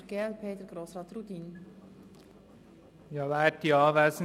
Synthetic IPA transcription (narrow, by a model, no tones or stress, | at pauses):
ɾɡ̥eːɛlpʰeːd̪əɾɡ̥ɾoːsɾɑːt̪rud̪iːn | jɑʋæːt̪jɑːʋæs